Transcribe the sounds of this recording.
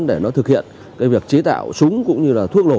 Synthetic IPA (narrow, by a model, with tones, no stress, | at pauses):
ɗe˧˩nɔ˨˦t̪ʰɨ˨˩k̚hḭ˧˨ən | kaː˨˦jvi˨˩ək̚t͡ɕi˨˦t̪a̰ː˧˨wsʊ˨˦ŋ͡mkʊ̰˧˥ŋ͡mɲɨ˧laː˨˩t̪ʰu˦˥ək̚lo˧˩